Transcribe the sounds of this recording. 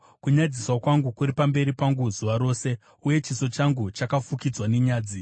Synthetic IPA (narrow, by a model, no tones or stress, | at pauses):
kuɲad͡ziswakwaŋɡukuɾipambe̞ɾipaŋɡuzuʋaɾo̞ːse̞ | uje̞t͡ʃiso̞t͡ʃaŋɡut͡ʃakafukid͡zwane̞ɲaːd͡zi